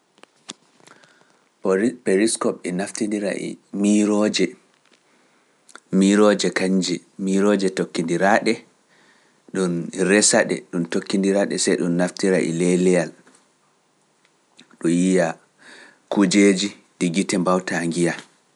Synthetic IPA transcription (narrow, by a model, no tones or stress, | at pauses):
peɾiskɔpɛnaftindiɾa̰ʔḭmiɾɔd͡ʒɛ | miɾɔd͡ʒɛkaɲd͡ʒɛmiɾɔd͡ʒɛtokːindiɾaɗɛ | ɗunɾɛsaɗɛ̰ɗumtokːindiɾaɗɛ̰sɛjɗunːaftiɾa̰ʔḭlɛlɛjal | ɗɔjija | kud͡ʒeːd͡ʒi | diɡitɛmbawtaŋɡija